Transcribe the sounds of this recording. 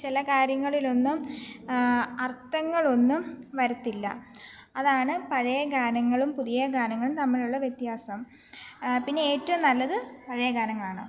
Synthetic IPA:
t͡ɕilɐkaːɾjɐŋːɐɭilo̞nːum | ɐrt̪ːɐŋːɐɭo̞nːumʋɐɾut̪ːilːɐ̰ | ɐðaːɳɨpɐɻɐjɐɡaːnɐŋːɐɭumpuðijɐɡaːnɐŋːɐɭumnɐmːɐɭuɭːɐʋjet̪jaːsɐm | pinːe̞eːtːɐʋumnɐlːɐðɨpɐɻɐjɐɡʱaːnɐŋːɐɭaːɳɨ̰

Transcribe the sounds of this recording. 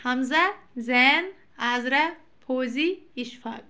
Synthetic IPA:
hɐmzɐzeːn | aːzɾɐ | pʰoːziiʃfa̰ːk̚

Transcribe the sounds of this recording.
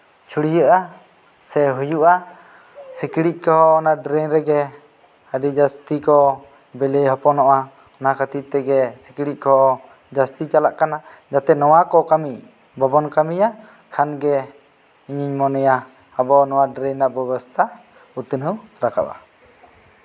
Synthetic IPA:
t͡ʃʰuɽijəʔa | sɛɦujuʔa | sikɽic̚ˀkɔɦɔːnaɖɾɛɲɾɛɡɛ | əɖid͡ʒast̪ikɔ | bɛlɛjɦɔpɔnɔʔa | ɔnakat̪it̪ɛɡɛsi̥kiɽic̚ˀkɔɦɔ | d͡ʒast̪it͡ʃalaʔkana | d͡ʒat̪ɛnɔwakɔkami | bɔbɔnkamija | kʰanɡɛ | iɲiɲmɔnɛjaː | bɔnɔwaɖɾɛɲnaʔbɛbɔst̪ʰa | ut̪ənəwɾaka̰ba̰

